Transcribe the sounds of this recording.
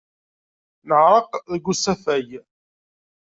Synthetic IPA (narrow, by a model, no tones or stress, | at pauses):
nəʕɾˤəqðəɡːusæfæj